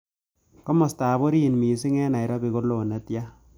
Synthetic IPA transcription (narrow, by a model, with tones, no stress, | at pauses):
kɔ˦mɔ˨staː˨βo˦ɾi˦˨nmiː˨s̬i˦ŋɛ˦na˨jɾɔ˦bi˨ɣo˦lo˨na˨tja˦